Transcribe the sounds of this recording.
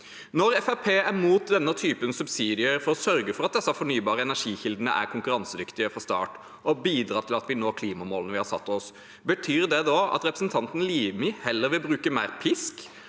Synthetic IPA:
nɔɾɛfæpʰeːæɾmuːt̪̚d̪ɛnːət̪ʰyːpənsʉbsiːd̪ɪəɾfɔɾɔsœɾɡəfɔɾɑt̪̚d̪ɛsːɑfɔɳyːbɑːɾəɛnæʂiːçɪld̪ənə̰ʔæ̰ɾkʰʊŋkʉɾɑnsəd̪ʏkt̪ɪəfɾɔst̪ɑ̰ːʈ | ʔɔbiːd̪ɾɑːt̪ʰɪlɑt̪ʋɪnoːkʰliːmɑmoːlnəʋɪhɑɾsɑt̪ːɔs | bət̪ʰyːɾd̪ɛd̪ɑɑ̰t̪ɾɛpɾəsn̩t̪ʰɑnt̪n̩liːmɪhɛlːəɾʋɪlbɾʉːkəmæɪɾpʰɪsk

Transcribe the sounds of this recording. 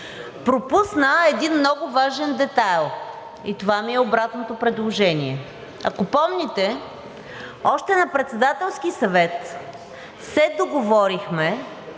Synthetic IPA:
pɾopusnəɛd̪inmnɔɡʊvaʒɛnd̪ɛt̪alˠ | it̪ovamiɛobɾat̪not̪opɾɛd̪lˠoʒɛnʲiɛ | ɐ̰kopɔmnʲɛt̪ɛ | ɔʃt̪ɛnɐpɾɛt̪sɛd̪at̪ɛlˠsk̟isɐvɛt̪ | sɛd̪oɡovɔɾixmɛ

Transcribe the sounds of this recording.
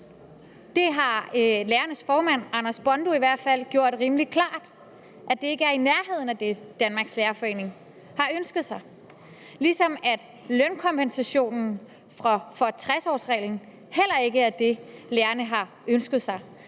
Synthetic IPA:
d̥e̝ɦɑ̈leːɐnəsfɒːmæn̰ɑ̈nɐsb̥ɒ̽nd̥oiʋæɐ̰d̥fæl̰ɡ̥jo̝ɐ̰d̥ʁiːməli̥kʰlɑ̈ːd̥ | ʔæd̥e̝e̝ɡ̥əæɐinæɐɦe̝ð̰ˠn̩æd̥e̝d̥ænmɑ̈ːɡ̥sleːɐfɒ̽e̝̰ːne̝ŋ | hɑ̈ønsɡ̥ð̞̩ˠsɑ̈ɪ | lisɒ̽mæd̥ | lønkʰɒ̽mpensæɕo̝̰ːnn̩ | fʁɑfɒ̽t͡sʰʁasɒ̰ːsʁɛ̰ːln̩ | hel̰ɐe̝ɡ̥əæɐd̥e̝leːɐnəɦɑ̈ | ønsɡ̥ð̞ˠsɑ̈ɪ

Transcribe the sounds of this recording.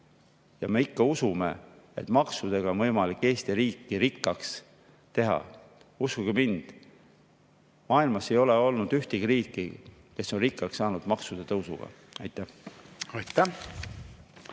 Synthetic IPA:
jɑme̞ikːɑusume̞̰ | ḛt̪mɑksud̪̥e̞ɡ̥ɑonvɤjmɑlikːe̞ːst̪iɾiːkːiɾikːɑks | t̪e̞ɦɑ̰ | uskuɡimind̪̥ | mɑːilmɑse̞jo̞le̞o̞lnud̪̥yht̪ikriːkːˑi | ke̞sːo̞nrikːˑɑksːɑːnud̪̥mɑksud̪̥et̪ɤwsṵɡ̥ɑ̰ | ɑjt̪ːˑæhɑjt̪ːæ

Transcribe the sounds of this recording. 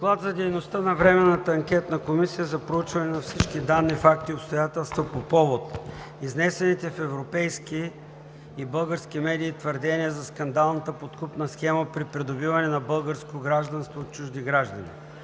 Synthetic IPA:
d̪oklˠad̪zɐd̪ɛjnost̪ənɐvɾɛmɛnːət̪əɐŋkʲɛt̪nəkomisijəzɐpɾout͡ʃvɐnɛnɐfsit͡ʃkid̪anːifak̚t̪iopst̪ojat̪ɛlˠst̪vopopɔvot̪ | iznɛsɛnit̪ɛfɛvɾopɛjskiː | bɤlˠɡəɾsk̟imɛd̪iːt̪vəɾd̪ɛniəzɐskɐnd̪alˠnət̪əpot̪kupnəsxɛməpɾipɾɛd̪obivɐnɛnɐbɤlˠɡəɾskoɡɾaʒd̪ɐnst̪voːt̪̚t͡ʃuʒd̪iɡɾaʒd̪ənḭ

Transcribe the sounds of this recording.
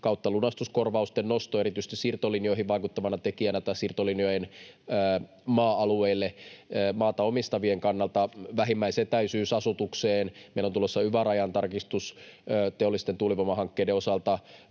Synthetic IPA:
kɑut̪ːɑlunɑst̪uskorʋɑust̪ennost̪oeɾit̪yst̪isirt̪olinio̞iɦiʋʋɑikut̪ːɑmɑnɑt̪ekiænæt̪æsirt̪oliniojenː | mɑːɑlueilːeːmɑːt̪ɑomist̪ɑʋieŋkɑnːɑlt̪ɑʋæɦimːæiseːt̪æysyːsɑsut̪ukseːnmeilont̪ulosːɑyʋærɑjɑnt̪ɑrkist̪ust̪eolːˑist̪ent̪uliʋɑmɑɦɑŋkːeːdeosɑlt̪ɑ

